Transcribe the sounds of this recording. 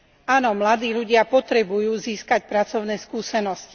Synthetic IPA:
aːnɔmlad̪iːʎuɟɪapɔt̪ɾɛbujuːziːskac̚pɾat͡sɔʊnɛːskuːsɛnɔsci̥

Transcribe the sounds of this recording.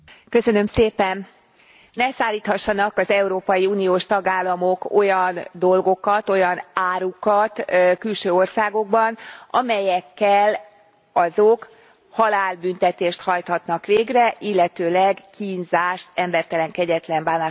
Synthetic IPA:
kø̞sø̞nø̞mseːpɛn | nɛsaːlːiːt̪hɒʃːɒnɒkɒzɛuɾoːpɒjiuːnijoːʃt̪ɒɡaːlːɒmoko̞jɒnd̪o̞lɡo̞kɒt̪o̞jɒnaːɾukɒt̪kylʃøːo̞rsaːɡo̞ɡ̚bɒnʔɒmɛjɛkːɛl | ɒzok | hɒlaːlbynt̪ɛt̪eːʃt̪hɒjt̪hɒt̪nɒkʋeːɡrɛʔilːɛt̪øːlɛɡkiːnzaːʃt̪ɛmbɛrt̪ɛlɛŋkɛɟɛt̪lɛmbaːnaːʃ

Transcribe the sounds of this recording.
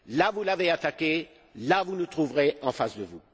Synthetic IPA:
lavulaveat̪akʲe | lavunut̪χuvʁeɑ̃fasd̪əvu

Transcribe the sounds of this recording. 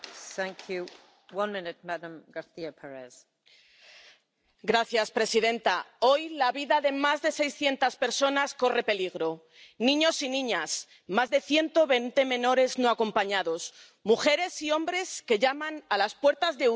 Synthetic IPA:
θæ̃ŋkʰju | wʌ̃nmɪ̃nɪt̚madə̃mɡaθiəpʰɛɹɛz̥ | ɡɾaθjaspɾe̞siðẽ̞nt̪ao̞jlaβiðaðe̞mazðe̞sejsθje̞nt̪aspe̞ɾso̞nasko̞re̞pe̞liɣɾo̞ | nĩɲo̞sinĩɲas | mazðe̞θje̞nt̪o̞βe̞nt̪e̞mẽ̞no̞ɾe̞zno̞ako̞mpaɲaðo̞s | muxe̞ɾe̞sio̞mbɾe̞ske̞ʝamãnalaspwe̞ɾt̪azðeu

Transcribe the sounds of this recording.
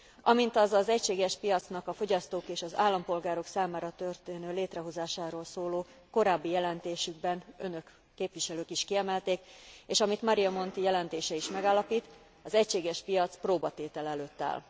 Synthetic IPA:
ɒmint̪ɒzɒzɛcʃeːɡɛʃpijɒt̪snɒkɒfo̞ɟɒst̪oːkeːʃɒza̰ːlːɒmpo̞lɡaːɾo̞ksaːmaːɾɒt̪ø̞rt̪eːnøːleːt̪rɛɦo̞zaːʃaːɾoːlsoːloː | ko̞ɾaːbːijɛlɛnt̪eːʃyɡbɛnø̞nø̞kː | eːpʋiʃɛløːkiʃkiɛmɛlt̪eːkeːʃɒmit̪mɒɾijɒmo̞nt̪ijɛlɛnt̪eːʃɛiʃmɛɡaːlːɒpiːt̪ | ɒzɛcʃeːɡɛʃpijɒt̪sproːbɒt̪eːt̪ɛlɛløːt̪ːa̰ːl

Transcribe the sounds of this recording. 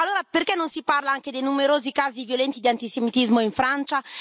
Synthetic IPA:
alːoːɾaperkɛnːonsiparlaaŋked̪ejnumeɾoːzikaːzivjolɛnt̪id̪iant̪isemit̪izmoiɱfɾant͡ʃa

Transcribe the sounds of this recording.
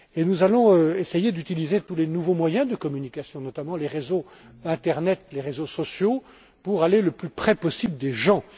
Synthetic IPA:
enuzalɔ̃øesejed̪yt̪ilizet̪ulenuvomwajɛ̃d̪əkɔmynikʲasjɔ̃nɔt̪amɑ̃leʁezo | ɛ̃t̪ɛʁnɛt̪leʁezosɔsjo | puʁaleləplypχɛpɔsibləd̪eʒɑ̃

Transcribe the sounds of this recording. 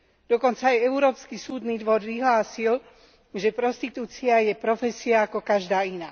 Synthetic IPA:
d̪̥ɔkɔnt͡saːjɛuɾɔːpskisuːd̪niːd̪ʋɔɾʋiɦlaːsil | ʒɛpɾɔst̪it̪uːt͡siajɛpɾɔfɛsiaːkɔkaʒd̪aːinaː

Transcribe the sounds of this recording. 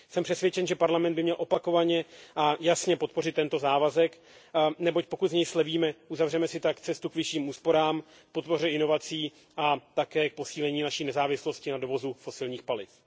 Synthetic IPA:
sɛmpr̥ɛsvʲjɛt͡ʃɛnʒɛpaɾlamɛnd̪bɪmɲɛlʔo̞pako̞vaɲɛʔajasɲɛpo̞t̪po̞rɪt̪ːɛnt̪o̞zaːvazɛk | nɛbo̞c̚po̞kut̪zɲɛjslɛviːmɛʔuzavrɛmɛsɪt̪akt͡sɛst̪ukvɪʃiːmuːspo̞ɾaːm | k̚po̞t̪̚po̞rɛɪno̞vat͡siː | ʔat̪akɛːk̚po̞siːlɛɲiːnaʃiːnɛzaːvɪslo̞scɪnado̞vo̞zufo̞sɪlɲiːxpalɪf

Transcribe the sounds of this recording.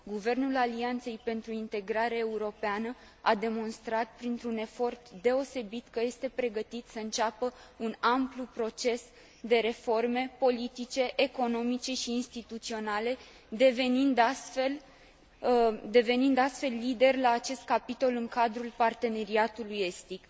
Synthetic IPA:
ɡuve̞rnulaliant̪se̞jpe̞nt̪ɾuint̪e̞ɡɾaɾaeuɾo̞peanə | ad̪e̞mo̞nst̪ɾat̪̚pɾint̪ɾune̞fo̞rt̪d̪e̞o̞se̞bit̪kəje̞st̪e̞pɾe̞ɡət̪it̪səɨnt͡ʃapəunamplupɾo̞t͡ʃe̞s | d̪e̞ɾe̞fo̞rme̞po̞lit̪it͡ʃe̞ʔːko̞no̞mit͡ʃe̞ʃiːnst̪it̪ut̪sio̞nale̞ | d̪e̞ve̞nind̪ast̪fe̞l | d̪e̞ve̞nind̪ast̪fe̞lːid̪e̞rʲlaːt͡ʃe̞st̪̚kapit̪o̞lɨŋkad̪ɾulpart̪e̞ne̞ɾiat̪uluje̞st̪ik

